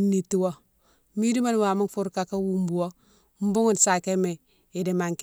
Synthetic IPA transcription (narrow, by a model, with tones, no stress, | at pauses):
ni˨tːi˨wo˦ | mi˦di˦ma˦n˦wa˨mu˦nfu˦ɾka˦ka˦wu˦mbu˨wo˦ | m̩˦bu˦ŋu˨nsa˨ke˦me˨ | i˨de˨ma˨ŋk